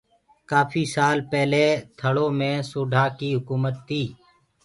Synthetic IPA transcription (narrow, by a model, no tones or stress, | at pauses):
kaːpʰiːsaːlpɛːleːt̪ʰəɽõːmẽːsuːɖʱaːkiːɦʊkuːmət̪ʰːiː